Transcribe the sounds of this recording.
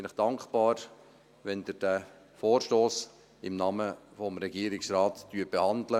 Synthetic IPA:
ɪnɪχd̥ɑŋkχpɑːɾ | ʋɛnd̪ɪɾd̥æ | foːɾʃtoːs | ɪmnɑːməfɔmɾɛɡiːɾɪksɾɑːt̪ːyːəb̥ehɑndlə

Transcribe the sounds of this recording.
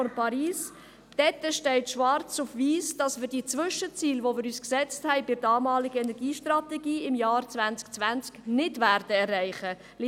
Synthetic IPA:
ɔnpʰɑɾiːs | d̥ɛtəʃtɛɪtʃʋɑɾt͡sufʋiːsd̥ɑsmɪːɾd̥iːt͡sʋʏʃət͡siːlʋomɪːɾyːsksɛt͡sthɛɪbɪdɑːmɑːlɪɡəɛnɛɾɡiːʃtrɑt̪ɛɡiːɪmjɑːrt͡svænt͡skt͡svænt͡sknɪdvæɾd̥əɛrːæɪχə | l

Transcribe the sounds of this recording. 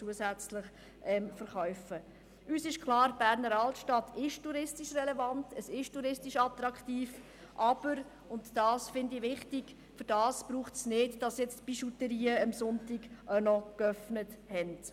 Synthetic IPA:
t͡suəsæt͡slɪχ | ʔɛmfəɾχœʏfə | ʔyːsɪʃkχlˠɑːɾb̥æːɾnəɾɑltʃtɑtʰɪʃtuɾɪstiʃrɛlɛvɑntəsɪʃtuɾɪstiʃɑt̪rɑkχtiːf | ʔɑb̥əɾ | ʊntd̥ɑːsfɪndiʋɪχtiɡ̥ | fɵɾdɑːsb̥ɾuːχtsnɪdd̥ɑsjɛt͡stb̥iʃutəɾiːəəmsʊntiɡʔənɔkœfnəthɛnd

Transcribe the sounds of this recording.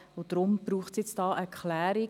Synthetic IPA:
ʊd̥ɾʊmb̥ɾuːχsjɛt͡sdɑːʔɛkʰlæːɾi

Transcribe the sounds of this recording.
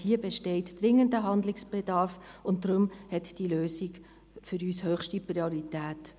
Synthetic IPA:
hiəbɛʃtɛɪtd̥ɾɪŋːəndəɦɑndlɪksb̥ɛdɑɾfʊntd̥ɾʊmhɛtd̥iløːsiɡ | fʏɾyːshøːχʃtiprioɾitæːt

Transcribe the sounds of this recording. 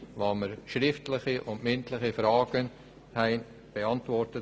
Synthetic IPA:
vɑːməɾʃɾɪftlɪχiʔʊndmɪntləχifɾɑːɡ̥ən | hɛɪn | b̥eɑntvɔɾtə

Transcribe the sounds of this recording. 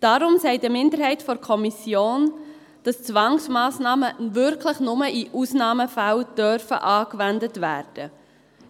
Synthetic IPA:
d̥ɑɾʊmsɛɪdəmɪndəɾɦɛɪtfɔɾkʰɔmisjoːn | d̥ɑst͡sʋɑŋsmɑːsnɑːməvʏɾkʰləχnʊməʔiʔusnɑːməfæld̥œɾfə̰ʔɑːkvændətvæːɾd̥ə

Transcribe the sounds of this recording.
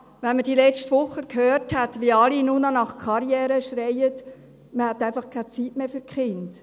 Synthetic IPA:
ʋɛnməd̥ilɛt͡ʃtʋʊχəkhøːrthɛtʋiɑlinunɑnɑχkʰχɑɾjɛːɾəʃɾɛɪət | məhæt̪æɪfɑχkʰæt͡sitmeːfʏɾkχɪnd̥

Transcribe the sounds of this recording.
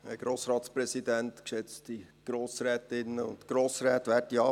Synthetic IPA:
ɛ̰ɡ̥ɾoːsɾɑːt̪spɾɛsidæntkʃɛt͡sti | ɡ̥ɾoːsɾɛːtɪnːəʊ̰ntɡ̥ɾoːsɾɛːtʋæːɾtiɑː

